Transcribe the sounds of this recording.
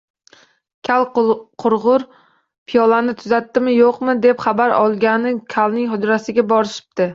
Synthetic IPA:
kʲʰalˠqʰʊɾʁʊɾ | pʰɪjɒlˠanɪt̪ʰʊzat̪ːɪmɪjoqmɪd̪e̞pχɑbaɾɒlˠɡʲanɪkʲʰalˠnɪŋhʊd̪ɾasɪɡʲabɒɾɪʃɪ̥p̚t̪ʰɪ

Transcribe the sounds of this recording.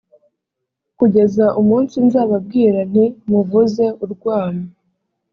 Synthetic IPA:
kuɟe̞zaʔumuːnsinzaːβab̚ɡiːɾan̥imuvuze̞uɾɡwaːma

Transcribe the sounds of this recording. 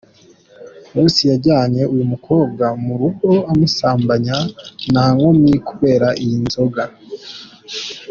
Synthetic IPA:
josijaɾɟaːɲe̞ʔujumukʰo̞ːb̚ɡamuɾuɡo̞amusaːmbaɲanaːŋo̞mɲikuβe̞ːɾaʔijinzo̞ɡa

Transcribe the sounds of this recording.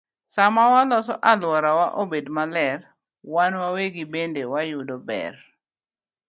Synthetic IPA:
samawalɔsɔʔalwɔɾawaʔobedmalɛr | wanwaweɡibendewajʊdɔbɛ̰r

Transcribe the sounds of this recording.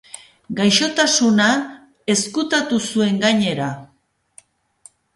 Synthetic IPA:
ɡajʃo̞t̪asuna | e̞skut̪at̪usue̞ŋɡaɲe̞ɾa

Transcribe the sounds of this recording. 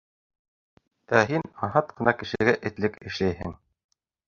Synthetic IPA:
t̪æɦinɑɦɑt̪̚qɤ̆nɑkɘ̆ʃɘ̆ɡæʔɘ̆t̪lɘkɘ̆ʃlæjɦɘ̰ŋ

